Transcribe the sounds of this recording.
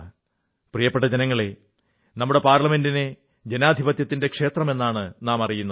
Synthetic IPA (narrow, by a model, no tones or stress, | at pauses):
prijɐpːeʈːɐd͡ʑenɐŋːɐɭe | nɐmːuɽe̞paːɾɭɐme̞ndine̞ | d͡ʑenaːd̪ʱibɐt̪jɐt̪ːinde̞kʂe̞ːt̪rɐme̞nːaːɳɨnaːmɐrijunːɐ